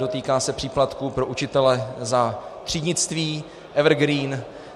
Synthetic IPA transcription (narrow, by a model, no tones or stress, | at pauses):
do̞t̪iːkaːsɛpr̥iːplat̪kupɾo̞ʔut͡ʃɪt̪ɛlɛzat̪r̝̥iːdɲɪt͡st̪viː | ʔɛvɾɡɾiːn